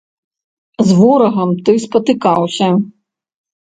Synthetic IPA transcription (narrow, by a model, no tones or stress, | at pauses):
zʋɔɾɔɦɐmt̪ɪspɐt̪ɪkɑwsʲɐ